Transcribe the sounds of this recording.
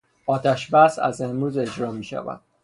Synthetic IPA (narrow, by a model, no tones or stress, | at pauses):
ɒːt̪ʰæʃbæsæ̰zemɾuːze̞d͡ʒɾɒːmiːʃæ̰væ̰d̪̥̚